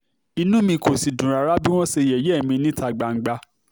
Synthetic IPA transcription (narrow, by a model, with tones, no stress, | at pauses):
i˧nũ˦mĩ˧ko˨si˨dũ˨ɾa˨ɾa˦bi˦w̃ɔ̃˦se˧jɛ˨jɛ˦˨mĩ˧nĩ˦ta˧ɡ͡ba˨ŋ̩˨ɡ͡ba˧